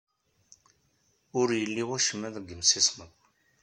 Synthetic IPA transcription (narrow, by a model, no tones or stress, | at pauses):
ʊɾjəlːiwʊʃəmːæðɡəmsisməkʷː